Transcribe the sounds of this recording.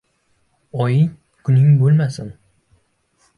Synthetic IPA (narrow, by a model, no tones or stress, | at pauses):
ɒjɪŋ | kʰʊnɪŋbolˠmasɪn